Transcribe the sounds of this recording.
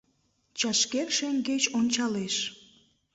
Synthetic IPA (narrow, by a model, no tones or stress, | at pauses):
t͡ɕɑʃkerʃeŋɡet͡ɕonʲt͡ɕɑleʃ